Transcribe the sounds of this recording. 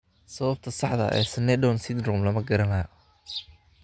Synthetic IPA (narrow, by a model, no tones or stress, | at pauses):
sɐβɐb̚t̪ʰɐsɑħd̪ɐ̰ʔɛ̰ːsɐnɛdɔnsɪd̪ɾɔmlɐmɐɡɐɾɐnaː